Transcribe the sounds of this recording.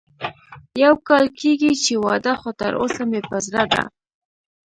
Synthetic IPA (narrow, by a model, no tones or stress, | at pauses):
jawkɑlkeɡit͡ʃewɑd̪axot̪a̰ɾo̰samepəzɾad̪a̰